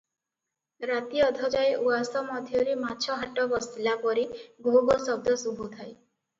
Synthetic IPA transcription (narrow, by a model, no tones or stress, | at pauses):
ɾat̪iɔd̪ʱɔd͡ʒajʔuasɔmɔd̪ʱjɔɾematːt͡ʃʰɔɦaʈɔbɔsilapɔɾiɡobɔsɔb̚d̪ɔsubʱut̪ʰaj